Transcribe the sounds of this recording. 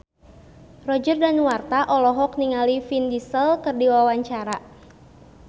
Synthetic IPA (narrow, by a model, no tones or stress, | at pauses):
rɔd͡ʒərdanwart̪aʔɔlɔɦɔk̚niŋalifindisəlkɨrdiwawaɲt͡ʃaɾa